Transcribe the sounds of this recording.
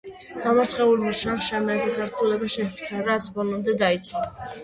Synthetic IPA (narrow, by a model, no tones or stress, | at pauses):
ɡ̪̥amaɾt̪sʰχɛulmaʃanʃamɛːpʰasaɾt̪ʰulɛbaʃɛpʰt̪sʰaɾat̪sʰbɔlɔmd̪ɛd̪ait̪sʰwa